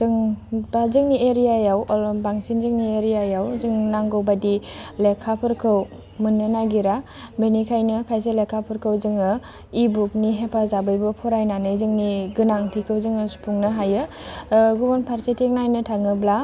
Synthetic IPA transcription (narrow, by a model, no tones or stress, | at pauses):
zɯŋbazɯŋnieɾijajawɔlɔbaŋsinzɯŋnieɾijajawzɯŋnaŋɡɯwbadilekʰapʰɯɾkʰɯw | mɯnːɯnaɡiɾa | benikʰajnɯkʰajs̬elekʰːapʰɯɾkʰɯwzɯŋɯ | ibuk̚niɦepʰazabɯjbɯpʰɔɾajnanɯjzɯŋniɡɯnaŋtʰikʰɯwzɯŋɯsu̥pʰuŋnɯɦajɯ | ɡubɔnpʰaɾsetʰek̚najnɯtʰaŋɯbla